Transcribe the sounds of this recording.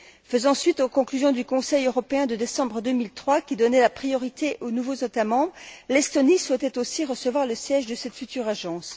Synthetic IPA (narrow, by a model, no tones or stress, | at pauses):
fəzɑ̃sɥit̪okɔ̃klyzjɔ̃d̪ykɔ̃sɛjøʁɔpeɛ̃d̪əd̪esɑ̃bʁəd̪ømilt̪χwakʲid̪ɔnɛlapχijɔʁit̪eʔonuvozet̪amɑ̃bʁlɛst̪ɔniswɛt̪ɛt̪osiʁəsəvwaʁləsjɛʒd̪əsɛt̪fyt̪yʁaʒɑ̃s